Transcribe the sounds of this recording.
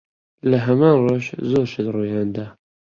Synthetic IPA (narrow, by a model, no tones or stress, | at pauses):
lɐɦɐmaːnroʃzoːɾʃɨd̪ruːjɑːnd̪a